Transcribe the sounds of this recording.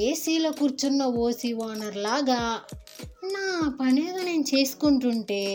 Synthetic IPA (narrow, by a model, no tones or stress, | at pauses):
eːsiːlɐkuːɾt͡ʃunːɐʋoːsiʋaːnɐɾlaːɡaː | nːaːpɐneːɡɐne̞ːnut͡ʃeːsu̥kuɳʈuɳʈeː